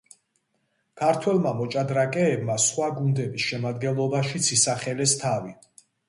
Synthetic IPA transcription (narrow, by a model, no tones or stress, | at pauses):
kʰaɾt̪ʰwɛlˠmamɔt͡ʃʼad̪ɾakʼɛːbmasχwaɡund̪ɛbisʃɛmad̪ɡɛnlˠɔbaʃit̪sʰisaχɛlɛst̪ʰavi